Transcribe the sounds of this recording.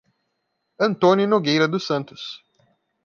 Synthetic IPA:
ɐ̃nt̪õnʲʊnoɡejɾɐd̪ʊsɐ̃nt̪ʊ̥s

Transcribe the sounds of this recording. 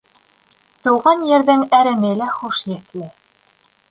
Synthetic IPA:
t̪ɤ̆wʁɑnjɘ̆ɾðɘŋæɾɘ̆mɘ̆læχuʃjɘ̆t̪lɘ

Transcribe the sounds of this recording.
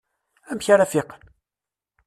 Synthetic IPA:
æmçaɾafɪqən

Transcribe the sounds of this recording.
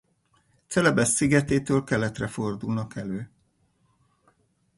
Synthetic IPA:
t̪sɛlɛbɛsːiɡɛt̪eːt̪øːlkɛlɛt̪rɛfo̞rd̪ulnɒkɛløː

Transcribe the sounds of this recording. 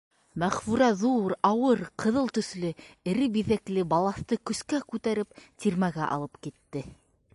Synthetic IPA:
mæχfʉɾæðuɾɑwɤɾqʰɤ̆ðɤlˠt̪ɵ̆θlɘɘ̆ɾɘbiðæklɘbɑlˠɑθt̪ɤkɵ̆skækʉt̪æɾɘp̚t̪ʲiɾmæɡæʔɑ̰lˠɤpkit̪ːɘ

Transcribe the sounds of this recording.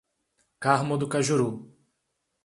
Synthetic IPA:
kaɦmʊd̪ʊkaʒuɾu

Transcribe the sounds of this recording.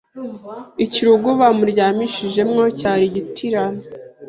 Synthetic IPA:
iciɾuɡoβamuɾjaːmiʃiʒe̞mŋocaːɾiɟitʰiɾana

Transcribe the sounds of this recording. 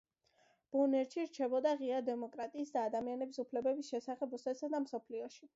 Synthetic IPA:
b̥unɛɾʃiɾt͡ʃʰɛbɔd̪aʁiad̪ɛmɔkʼɾat̪ʼiːsd̪aːd̪amianɛbisupʰlɛbɛbisʃɛsaχɛbɾusɛsad̪amsɔpʰliɔʃi

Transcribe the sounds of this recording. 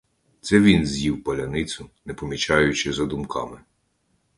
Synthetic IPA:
t̪sɛʋʲinzʲjiwpɐlʲɐnɪt̪sʊnɛpɔmʲit͡ʃɑjʊt͡ʃɪzɐd̪ʊmkɑ̰mɪ

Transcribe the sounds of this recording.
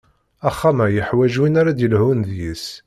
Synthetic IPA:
æχːamæjəħwæʒwinaɾad̪əlhunðjis

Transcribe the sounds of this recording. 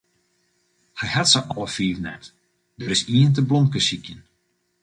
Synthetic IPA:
hɛjhatsəʔɔlˠəfiːvnɛpt | dəɾɪsiənt̬əblonkəsikjən

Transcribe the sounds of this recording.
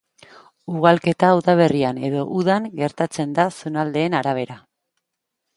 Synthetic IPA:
uɣ̞alke̞t̪awðaβ̞e̞riane̞ðo̞ʔuðaŋɡe̞ɾt̪at͡se̞nd̪asunald̪e̞ːnaɾaβ̞e̞ɾa

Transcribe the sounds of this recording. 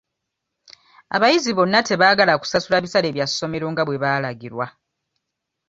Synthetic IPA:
a̰βajiziβo̞nːate̞βaːɡalaku̥sasulaβisale̞ːβjasːo̞me̞ɾo̞ŋɡaβwe̞βaːlaɡiɾwa

